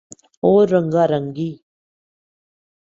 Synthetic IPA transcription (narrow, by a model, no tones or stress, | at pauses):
oɾːəŋɡaɾəŋɡi